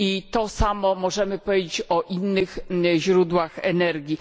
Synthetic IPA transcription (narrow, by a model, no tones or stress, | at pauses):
it̪ɔsamɔmɔʐɛmɘpɔvʲed͡ʑet͡ɕɔʔinːɘxʑɾud̪waxɛnɛɾɡʲi